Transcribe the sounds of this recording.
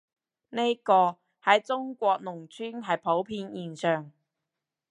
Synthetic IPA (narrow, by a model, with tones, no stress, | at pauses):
ne˥jkɔː˧ | hɐ˨˥jt͡sʊ˥ŋkʷɔː˧k̚nʊ˨˩ŋt͡syː˥nɦɐ˨jpʰo˨˥wpʰiː˧njiː˨nsœː˨ŋ